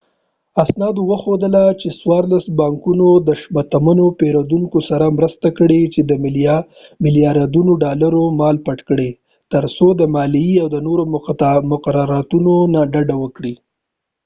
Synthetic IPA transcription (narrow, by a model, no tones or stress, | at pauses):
asnɑd̪owəxod̪əlat͡ʃeswɑɾlasbɑŋkunod̪əʃbat̪amənopeɾod̪uŋkosaɾamɾəst̪akəɽet͡ʃed̪əm | mɪlijɑɾɑd̪unoɖɑlaɾomɑlpaʈkəɽe | t̪əɾsod̪əmɑliiawd̪ənoɾomʊqɾɑɾɑt̪unonaɖaɖawəkɽi